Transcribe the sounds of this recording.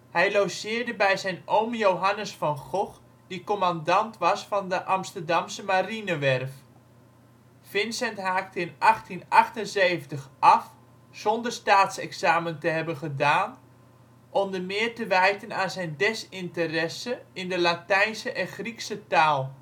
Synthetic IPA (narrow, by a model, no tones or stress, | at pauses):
hɛjlowsɪːrdəbɛjzɛjnoːmjowɦanəsfɔnχɔx | dikomandɑntʋɑsfɑndəʔamstərdɑmsəmarinəʋɛrf | fɪnsɛntɦaːktəɪnʔɑχtinɑχtənzeːvəntəxɑf | z̥ondərstaːtsɛksaːməntəɦɛbənχədaːn | ʔɔmdəmɪːrtəʋɛjtənaːnzɛjndɛsɪntərɛsəɪndəlatɛjnsəʔɛnχriksətaːlˠ